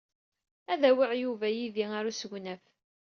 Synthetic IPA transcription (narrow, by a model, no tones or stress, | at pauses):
æðæwiʕjuvæjiðiaɾusʝʷnæf